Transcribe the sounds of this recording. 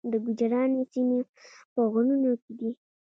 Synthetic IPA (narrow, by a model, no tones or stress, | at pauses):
d̪əɡʊd͡ʒaɾɑnosine | pəɣʊnunoked̪i